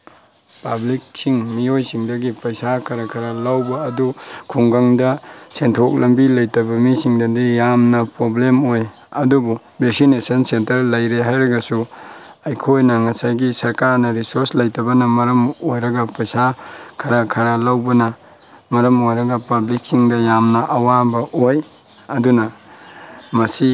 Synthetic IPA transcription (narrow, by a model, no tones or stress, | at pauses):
pablik̚siŋmiojsiŋdɐɡipɐjsakʰɐɾɐkʰɐɾalawbɐːdukʰuŋɡaŋdɐsentʰok̚lɐmbilɐjtɐbɐmisiŋdɐdijamnɐpɾoblemoj | ɐdubu | beksinesɐnsentɐɾlɐjɾeɦajɾɐɡɐsu | ɐjkʰojnɐŋɐsajɡisɐɾkaɾnɐɾisoɾslɐjtɐbɐnɐmɐɾɐmojɾɐɡɐpɐjsakʰɐɾakʰɐɾɐlɐwbɐnɐ | mɐɾɐmojɾɐɡɐpɐblik̚siŋdɐjamnɐʔɐwabɐʔoj | ɐdunɐ | mɐsi